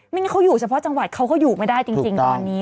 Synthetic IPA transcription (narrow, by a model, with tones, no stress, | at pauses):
ma˥˩ŋ˥kʰa˦˥wjuː˨˩t͡ɕʰa˦˧pʰɔ˦˥t͡ɕa˧ŋwa˨˩t̪̚kʰa˦˥wkɔː˥˩juː˨˩ma˦˥˩jdaː˥˩jt͡ɕi˧ŋt͡ɕi˧ŋt̪ɔː˧nːiː˦˥